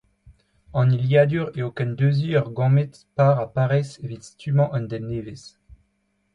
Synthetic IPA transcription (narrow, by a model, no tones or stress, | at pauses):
ɑ̃niljad̪yʁeokɛnd̪øziœʁɡɑ̃met̪ | paʁapaʁɛsevit̪st̪ymɑ̃ʔɑ̃nd̪ɛnːeːves